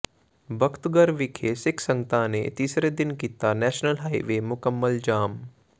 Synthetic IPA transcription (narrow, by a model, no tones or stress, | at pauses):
bʱɐkt̪ɡəɾʋɪkʰeːsɪkʰsə̃ŋɡt̪ʰãnet̪iːsɾed̪ɪnkiːt̪anɛːʃnəlɦaːiʋeːmʊkəmːəld͡ʒaːm